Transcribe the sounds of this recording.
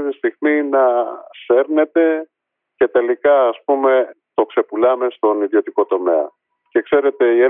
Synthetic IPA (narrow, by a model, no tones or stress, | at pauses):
t̪ist̪iɣminɐse̞ɾne̞t̪e̞ | ce̞t̪e̞likɐːspume̞t̪o̞kse̞pulɐme̞st̪o̞niðjo̞t̪iko̞t̪o̞me̞ɐ̰ | ce̞kse̞ɾe̞t̪e̞ie